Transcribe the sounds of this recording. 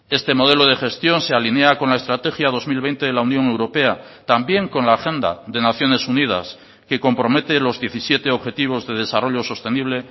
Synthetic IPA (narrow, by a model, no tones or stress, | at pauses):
e̞st̪e̞mo̞ðe̞lo̞ð̞e̞xe̞st̪jo̞nse̞aline̞ako̞nlae̞st̪ɾat̪e̞xjaðo̞zmilβ̞e̞jnt̪eðelaunjo̞ŋe̞wɾo̞pe̞a | t̪ambje̞ŋko̞nlaːxe̞nd̪a̰ðe̞naθjo̞ne̞suniða̰s | ke̞ko̞mpɾo̞me̞t̪elo̞zðje̞θisje̞t̪e̞oβxe̞t̪iβ̞o̞zðe̞ð̞e̞saro̞ʎo̞so̞st̪e̞niβ̞le̞